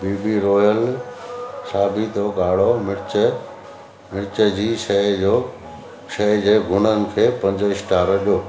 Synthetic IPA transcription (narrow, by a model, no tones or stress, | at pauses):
biːbiɾɔːjəl | saːbit̪oɠaːɽ̤omɪɽt͡ɕə | mɪɽt͡ɕəd͡ʑiːʃɐd͡ʑoː | ʃɐɦd͡ʑeːɡʱʊn̤ənɪ̆kʰeːpɐ̃ɲd͡ʑəɪsʈaːɾɐɗijoː